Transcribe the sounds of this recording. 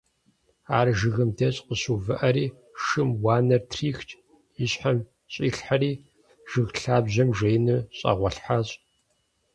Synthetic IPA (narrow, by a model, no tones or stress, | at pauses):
aːrʒɨɣɨmdɐɕʼqəɕuvɨʔɐɾiː | ʂɨmwaːnɐrtʰriːxt͡ʃʼ | jɪɕħam | ɕʼiːɬħaɾiː | ʒ̥ɨɣɬaːbʑɐmʒejnɨɕʼa̰ʁʷɐɬħaːɕʼ